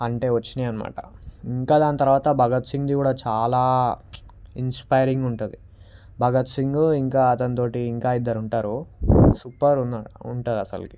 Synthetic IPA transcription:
ɐɳʈe̞ːʋɐt͡ʃːiniɐnɐma̰ːʈɐ̰iŋkaːd̪aːnɐt̪ɐɾuʋaːt̪ɐbʱɐɡɐt̪siŋɡd̪ikuːɽaːt͡ʃaːlaː | inspɐjɾiŋɡuɳʈund̪i | bʱɐɡɐt̪siŋɡuiŋkaːɐt̪ɐnit̪̬o̞ːʈiːŋkaːid̪ːɐɾuɳʈaːɾusuːpɐɾunːaːɽuuɳʈud̪ɐsɐ̰lki

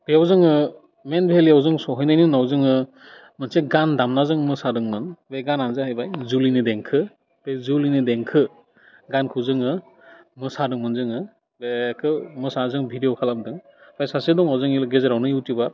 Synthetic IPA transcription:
bejawzɯŋɯ | menbʱeliawzɯŋsɔɦɯjnajnɯnawzɯŋɯ | mɯnseɡandamnazɯŋmɯsadɯŋmɯnbeɡananzaɦajbajzulinideŋkʰɯ | b̥ezulinideŋkʰɯ | ɡankʰuzɯŋɯ | mɯsadɯŋmɯnzɯŋɯ | bekʰɯmɯsazɯŋbʱidejɔwkʰalamdɯŋbʰajsasedɔŋawzɯŋilɡezeɾawnɯjuwtibaɾ

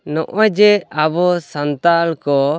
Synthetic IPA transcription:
nɔʔɔd͡ʒɛabɔsant̪alkɔ

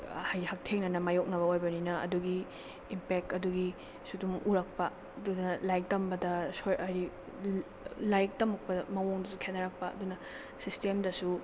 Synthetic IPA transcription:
hajhɐk̚tʰeŋnɐnɐmajok̚nɐβɐojbɐninɐɐ̰duɡiː | mpek̚tɐduɡi | sudumuɾɐk̚pɐ | ɐdunɐlajk̚tɐmbɐdɐsojɐɾi | lajk̚tɐmɐk̚pɐmɐwoŋdɐsukʰenːɐɾɐk̚pɐɐ̰dunɐ | sistemdɐsu

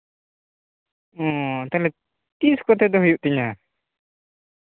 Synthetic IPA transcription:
ɔ̃t̪alɛ | t̪iskɔt̪ɛd̪ɔɦujuʔt̪iɲa

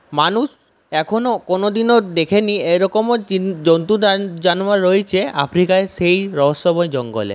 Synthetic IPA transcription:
manus | ɛkʰonokonod̪inod̪ekʰeniejɾɔkomod͡ʑont̪ud͡ʑanmaɾojt͡ɕʰeʔa̰pʰɾikaeʃejɾɔɦosːɔbojd͡ʑɔŋɡo̰lḛ

